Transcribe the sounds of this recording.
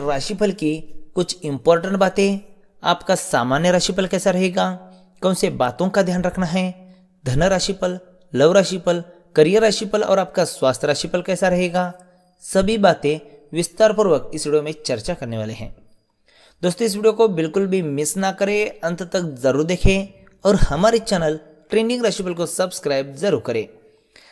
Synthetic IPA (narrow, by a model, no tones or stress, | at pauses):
ɾaːʃipʰəlkikʊt͡ʃʰɪ̃mpɔːɾʈə̃ɳʈ̚baːt̪ẽ | a̰ːpkasaːmaːnjəɾaːʃipəlkɛːsaɾɐɦeːɡaː | kɔ̃ːsebaːt̪õkad̪ʱjaːnɾɐkʰnaɦɛː | d̪ʱɐnəɾaːʃipʰəlː | ɐʋɾaːʃipəl | kɐɾijəɾaːʃipəlɔ̰ːɾaːp̚kaswaːst̪ʰɾaːʃipʰəlkɛːsaɾɐɦeːɡaː | sɐbʱibaːt̪ẽ | ʋɪst̪aːɾpʊɾʋəkɪsʋiːɖijomẽt͡ʃɐɾt͡ʃakɐɾneʋa̰ːleɦɛ̰̃ː | d̪oːst̪õɪs̬ʋiːɖijokobɪlkʊlbʱimɪsnakɐɾeɐ̃nt̪t̪ək̚zɐɾuːɾd̪eːkʰẽ | ɔːɾhɐmaːɾit͡ʃɛːnəl | ʈɾẽːɳɖɪ̃ŋɡɾaːʃip̬əlkosɐbskɾaːɪb̚zɐɾuːɾkɐɾḛ̃ː